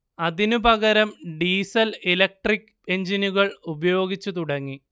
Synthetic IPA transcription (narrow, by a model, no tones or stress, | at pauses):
ɐðinupɐɣɐɾɐmɖiːsɐlelɐk̚ʈrikː | e̞ɲd͡ʑinuɣɐɭubɐjo̞ːɡit͡ɕːut̪uɽɐŋːi